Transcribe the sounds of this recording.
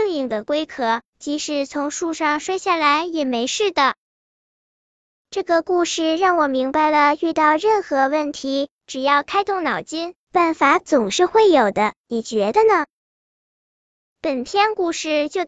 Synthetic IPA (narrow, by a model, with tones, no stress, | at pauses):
ŋi˥˩ŋd̪ə˩kwe˥ɪkʰɤ˧˥ | t͡ɕi˧˥ʂɻ̩˧˩t͡sʰʊ˧˥ŋʂu˥˧ʂɑ˥˧ŋʂwa˥ɪɕja˥˩la˧˥ɪjɛ˨˩me˧˥ɪʂɻ̩˥˩d̪ə˩ | ʈ͡ʂɤ˥˩ɡə˩ku˥˧ʂɻ̩˥˩ɻɑ˥˩ŋwɔ˨˩mi˧˥ŋba˧ɪlə˩y˥˧t̪ɑ˥˧ʊɻə˥˩nxɤ˧˥wə˥˩nt̪ʰi˧˥ | ʈ͡ʂɻ̩˨˩jɑ˥˩ʊkʰa˥ɪt̪ʊ˥˩ŋnɑ˨˩ʊt͡ɕi˥n | pa˥˩nfa˧˥t͡sʊ˨˩ŋʂɻ̩˥˧xwe˥˩ɪjo˨˩ʊd̪ə˦ni˨˩t͡ɕɥɛ˧˥d̪ə˧nə˨ | pə˨˩nt̪ʰjɛ˥nku˥˧ʂɻ̩˥˧t͡ɕjo˥˩ʊ